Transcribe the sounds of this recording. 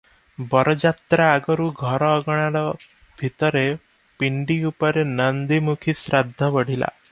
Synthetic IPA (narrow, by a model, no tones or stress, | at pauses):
bɔɾɔd͡ʒat̪ɾaːɡɔɾuɡʱɔɾɔːɡɔɽ̃aɾɔ | bʱit̪ɔɾe | piɳɖiupɔɾenənd̪imukʰisɾad̪ʱːɔʋɔɽ̤ila̰